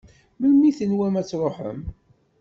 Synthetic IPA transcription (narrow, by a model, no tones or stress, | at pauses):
məmːiθənwæmæt͡sːɾˤoħə̰m